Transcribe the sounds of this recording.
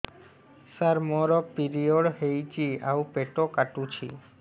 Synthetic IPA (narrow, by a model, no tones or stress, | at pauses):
saɾmɔɾɔk̚piɾioɽɦejt͡ʃia̰upeʈokaʈũt͡ʃʰḭ